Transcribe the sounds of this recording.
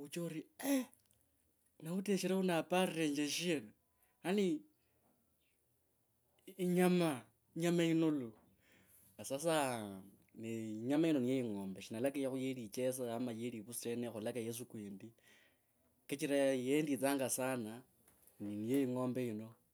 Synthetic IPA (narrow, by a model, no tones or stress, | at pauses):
ut͡ʃouɾie | nauteʃiɾaunapareːɲd͡ʒeʃien | ani | ɲama | iɲamainolu | asas̬a | niɲamaino̞nijejiŋoːmbeʃinalakejaxujelit͡ʃes̬aamajeliβusenexulakajes̬ukweːndi | ket͡ʃiɾajendit͡saːŋɡasana | ninijejiŋoːmbeino̞